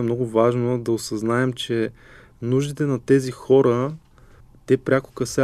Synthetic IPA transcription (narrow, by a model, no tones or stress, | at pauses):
ɛmnɔɡʊvaʒnod̪ɐosɐznaɛmt͡ʃɛ | nuʒd̪it̪ɛnɐt̪ɛzixɔɾə | t̪ɛpɾʲakʊ̥kɐsɛ